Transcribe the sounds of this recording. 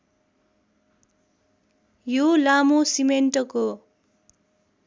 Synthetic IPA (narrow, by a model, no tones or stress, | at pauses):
jolamusimenʈʌko